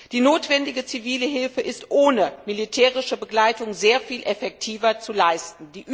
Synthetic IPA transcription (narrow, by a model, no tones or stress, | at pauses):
d̥iːnoːtv̥ɛndɪɡət͡siviːləɦɪlfəʔɪstʔoːnəmilitʰɛːʁɪʃəbəɡlaɪtʊŋzeːɐfiːlʔɛfɛk̚tʰiːvɐt͡sulaɪstn̩diːʔ